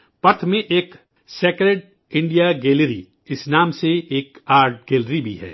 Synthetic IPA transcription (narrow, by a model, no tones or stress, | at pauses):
pɐt̪ʰmẽʔeːk | seːkɾeːɖ | ɪ̃ɳɖijaɡeːlɾḭ | ɪsnaːmseeːkaːɾʈ̚ɡeːlɾibʱḭɦɛ̰ː